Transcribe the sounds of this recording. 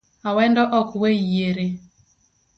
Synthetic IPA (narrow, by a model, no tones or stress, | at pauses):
awɛndɔʔɔkweijeɾe